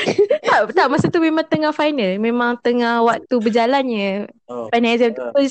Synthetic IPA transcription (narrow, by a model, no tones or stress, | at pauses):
t̪aʔt̪aʔmasut̪umemaŋt̪əŋahfajnəlmẽmaŋt̪əŋahwak̚t̪ubəd͡ʒalanɲəfajnazəmt̪upə